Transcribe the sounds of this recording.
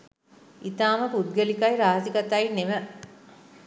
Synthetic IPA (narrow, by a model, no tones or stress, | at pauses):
it̪aːməpud̪̚ɡəlikajɾaːɦəsikat̪ajneʋə